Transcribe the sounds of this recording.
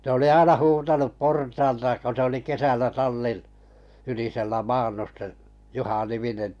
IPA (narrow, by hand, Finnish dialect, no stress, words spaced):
se oli ɑinɑ huːtɑnup portɑːltɑ ko se oli kesælːæ tɑlːin yliselːæ mɑːnːus se juhɑniminen